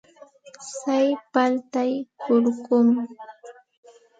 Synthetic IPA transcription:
sajpalt̪ajhʊɾkʊm

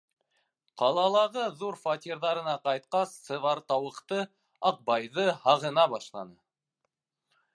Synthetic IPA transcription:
qʰɑlˠɑlˠɑʁəðuɾfat̪ʲiɾðɑɾə̆nɑqɑjt̪̚qɑst̪səvɑɾt̪ɑwə̆qt̪ə | ɑq̚bɑjðəhɑʁə̆nɑbɑʃlˠɑ̰nə

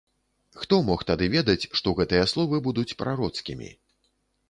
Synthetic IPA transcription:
xt̪ɔmɔxt̪ad̪ɨvʲɛd̪ɐt͡sʲʂt̪ɔɣɛt̪ɨjɐslˠɔvɨbud̪ut͡sʲpɾaɾɔt̪skʲimʲḭ

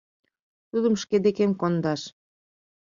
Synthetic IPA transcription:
t̪ud̪əmʃked̪ekemkond̪ɑʃ

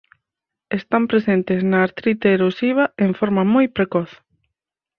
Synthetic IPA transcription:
est̪ampɾesent̪ɪznaːɾt̪ɾit̪eːɾosiβ̞ɐeɱfɔɾmɐmojpɾekɔθ

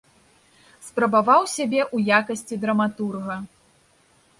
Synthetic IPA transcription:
spɾɐbavawsʲabʲɛʔujakɐsʲt͡sʲid̪ɾɐmat̪urɣɐ

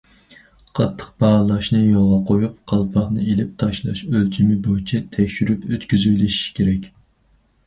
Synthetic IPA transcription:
qʰɑt̪ʰːə̥q̚bɑʁlˠɑʃnɨjolˠʁɑqʰojupqʰɑlˠpʰɑχnɨelɪp̚t̪ʰɑʃlˠɑ̰ʃølt͡ʃʰimɪbojt͡ʃʰɛt̪ʰɛkʲʃyɾypøt̪kʲyzyjlɪʃi̥kʲʰeɾɛkʲ

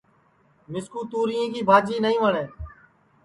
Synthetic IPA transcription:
mɪskuːt̪uːɾijẽːkiːbʱaːd͡ʒiːnəĩːʋəɳeː

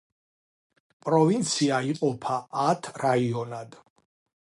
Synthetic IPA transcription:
pʼɾɔvint̪sʰiaiqʼɔpʰaːt̪ʰɾaiɔnad̪̥

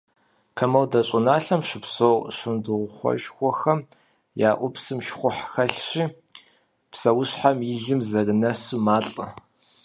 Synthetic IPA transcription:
kʰɐmɐwdɐɕʼʊnaːɬɐmʃɪpsowɕɪndɨʁʷʊχʷɔ̰ʃxʷɔxɐm | jaːʔʷʊpsɨmʃχʷʊħxɐɬɕiː | psɐwʊɕħamjɪɮɨmzɐɡɨnɐsɨmaːɬʼɐ̰

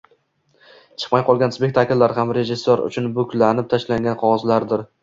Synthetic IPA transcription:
t͡ʃʰɨ̥qmajqʰɒlˠɡʲanspʲe̞k̚ʲt̪ʰakʲlːaɾɦamɾe̞ʒɪsːoɾʊ̰t͡ʃʰʊnbɵkʲʰlanɪp̚t̪ʰaʃlaŋɡʲanqʰɒʁɒzlaɾd̪ɪɾ

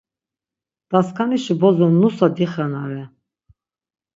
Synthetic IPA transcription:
d̪̥askʰaniʃibɔzɔnːusad̪iχɛnaɾɛ

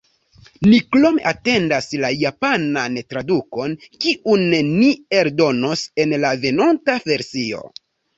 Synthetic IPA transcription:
niklomḛʔate̞ndaslajapanantɾaduko̞nkiʔunnːie̞ɾdo̞no̞se̞nlave̞nontave̞ɾsio̞̰

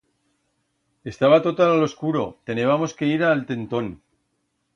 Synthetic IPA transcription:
e̞st̪aβat̪ot̪alalo̞skuɾo̞t̪e̞neβamo̞ske̞iɾalt̪e̞nt̪o̞n

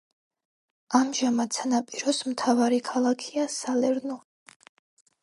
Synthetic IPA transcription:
amʒamad̪sʰanapʼiɾɔsmt̪ʰavaɾikʰalˠakʰiasalɛɾnɔ

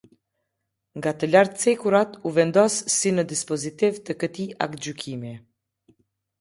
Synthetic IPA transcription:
ŋɡat̪əlaɾt̪t͡sɛkuɾat̪uvɛnd̪ɔsːinəd̪ispɔzit̪ivt̪əkət̪iʔa̰k̪d͡ʑykʰimi

